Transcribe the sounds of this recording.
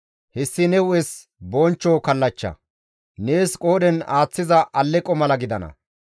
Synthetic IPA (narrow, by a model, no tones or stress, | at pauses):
hɛsːɪnɛwʊɛs | bont͡ʃːoːkɐlːɐt͡ʃːɐ̰ | ne̞ːskʼoːɗɛnaːt͡sːɪzɐʔɐlːɛkʼːɔmɐlɐɡɪd̪ɐnɐ̰